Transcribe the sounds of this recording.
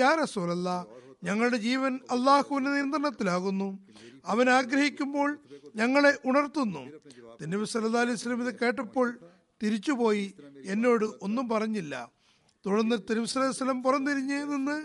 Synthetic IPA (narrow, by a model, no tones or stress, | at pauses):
jaːɾɐsuːlɐlːɐɲɐŋːɐɭɽe̞d͡ʑiːʋɐnɐlːaːhuʋinːɨnijɐnd̪rɐɳɐt̪ːilaːɣunːuɐʋɐnaːɡɾɐhikʲːumbo̞ːɭɲɐŋːɐɭe̞ʔuɳɐrt̪ːunːṵt̪inːuʋusɐlːɐlːaːɐlɐjɐsɐlːɐmiðɨke̞ːʈːɐpːo̞ːɭ | t̪iɾit͡ɕːupo̞ːjie̞nːo̞ːɽɨʔo̞nːumpɐrɐɲːilːɐ̰ | t̪uɽɐnːɨt̪ːɐnuʋisɐlːaːjsɐlːɐmpurɐnːt̪iɾiɲːɨninːɨ